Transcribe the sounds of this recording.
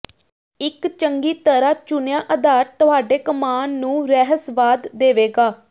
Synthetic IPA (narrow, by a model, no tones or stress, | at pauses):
ɪkt͡ʃəŋɡiːt̪əɾaːt͡ʃʊnejãːʔəd̪aːɾt̪ʊɦaːɖeːkəmaːnːũːɾɛːɦəsʋaːd̪ːeːʋeːɡaː